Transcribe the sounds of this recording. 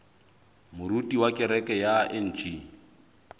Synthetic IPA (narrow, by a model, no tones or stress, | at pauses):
mʊɾutʼiwakʼɪɾɛkʼɛjaɛn̩ːt͡ʃʼi